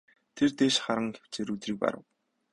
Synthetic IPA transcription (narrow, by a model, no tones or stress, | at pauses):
t̪ʰert̪eːʃχaɾə̆ŋxe̥w̥t͡ɕeːɾut̪riːk̚pa̰ɾə̰̆w